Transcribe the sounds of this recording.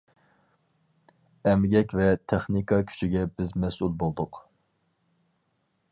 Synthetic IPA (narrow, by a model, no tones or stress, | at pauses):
ɛmɡʲɛkʲvɛt̪ʰɛχnikʰɑkʲʰy̥t͡ʃʰiɡʲɛbɪzmɛsulˠbolˠd̪ʊq